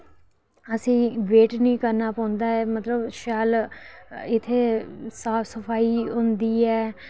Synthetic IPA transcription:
əsĩːʋeːʈnĩːkəɾnaːpɔ̃ːnd̪aːɛːmət̪ləbʃaːl | ɪt̪ʰːeːsaːpʰsəpʰaːiːɦʊ̃nd̪iːɛː

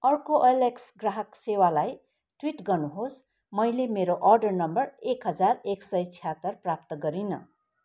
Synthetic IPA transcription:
ʌrkoʔʌleksɡraɦʌksewalaj | ʈwiʈɡʌrnuɦos | mʌjlemeɾoʔʌrɖʌrnʌmbʌrekɦʌd͡zareksʌjt͡sʰijat̪ʌrprap̚t̪ʌɡʌɾinʌ̰

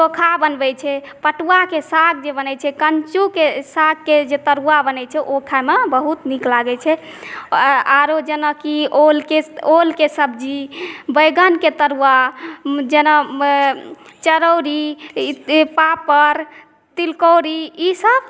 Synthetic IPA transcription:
tokʰabənbɛt͡ʃʰɛpəʈuakesaɡ̚d͡ʒebənɛt͡ʃʰɛkənt͡ʃukesaɡ̚kːed͡ʒet̪əɾuabənɛt͡ʃʰɛʔokʰamebəɦut̪niklaɡɛt͡ʃʰɛ | aɾod͡ʒenəkiolkeolkesəbd͡ʒibəjɡənket̪əɾua | d͡ʒenə | t͡ʃəɾəɾi | papəɾ | t̪ilkowɾiisəb

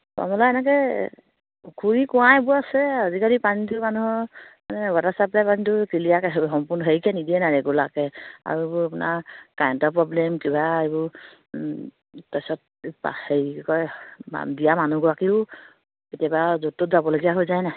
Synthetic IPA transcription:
a̰mɔlaɛnɛk̬ɛ | kʰuɹikɔwãebʊasɛazikaɹipanitumanuɦɔmanɛwatasaplapanitukilijakɛɦɦɔmpɔnɔɦeɹikɛnidiɛnaɹɛɡulakɛa̰ɹuebʊɹapʊna̰kajɔntɔpɹɔblɛmkibaebʊɹ | tɔsɔt̚ | pa̰hejkɔja̰dijamanuɡɔakiʊ | etijabazotːotzabɔloɡijaɦojzajna

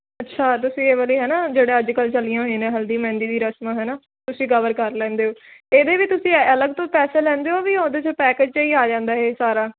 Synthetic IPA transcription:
ətːʃʰaːt̪̬ʊsĩːeːʋəliːɦɛːnaːd͡ʒeːɽeːəd͡ʒkəlt͡ʃəlijãːɦoĩːnẽːɦəld̪iːmɛ̃ːnd̪iːd̪iːɾəsmãːɦɛːnaː | t̪ʊsĩːkəʋəɾkəɾlɛ̃ːnd̪eːoːeːd̪eːʋiːt̪ʊsĩːələɡt̪õːpɛːseːlɛ̃ːnd̪eːoːʋiːõːd̪eːt͡ʃəpɛːkeːd͡ʒt͡ʃːiːaːd͡ʒãːnd̪aːɦeːsaːɾaː

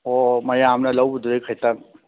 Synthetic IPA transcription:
ɔmajaːmnalawbud̪uɾejkʰajt̪aŋ

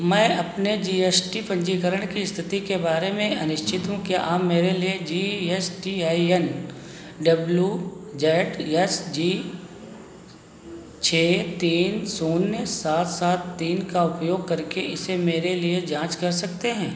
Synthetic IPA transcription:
mɛ̃ːɐpned͡ʒiːesʈipɐ̃ɲd͡ʒikəɾəɽ̃kist̪ʰɪt̪ikebaːɾemẽɐnɪʃt͡ʃʰɪt̪ɦũkjaʔaːpmeːɾelied͡ʒiːesʈiaːiɛn | ɖɐbljud͡ʒɛːʈɛsd͡ʒiː | t͡ʃʰeːt̪iːnsoːnːesaːt̪ʰsaːt̪ːiːnkaʊpjoːɡ̚kɐɾkeʔɪsemeːɾelied͡ʒãːt͡ʃkɐɾsɐk̚t̪eɦɛ̃ː

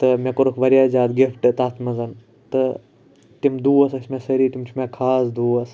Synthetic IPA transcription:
t̪ɨmẽkoɾukʰʋɐɾjaːzʲaːd̪ɡifʈt̪aːt̪ʰmɐzɐn | t̪ɨ | t̪imd̪uːɐsɐsmesɐɾiːt̪imt͡ʃʰumãkʰaːsd̪uːɐs

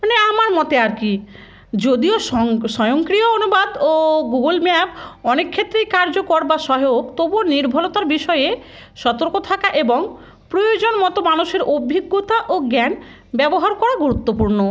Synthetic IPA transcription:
neamaɾmɔt̪eaɾki | d͡ʑod̪ioʃɔjoŋkɾijoonubad̪oɡuɡolmabɔnekʰːet̪ːɾejkaɾd͡ʑokɔɾbaʃɔɦjokt̪oboniɾbʱɔlot̪aɾbiʃɔee | ʃɔt̪oɾkot̪ʰakaʔeboŋ | pɾojod͡ʑonmɔt̪omanuʃeɾobʱiɡːot̪aʔoɡɛn | bɛboɦaɾkɔɽaɡuɾut̪ːopuɾno

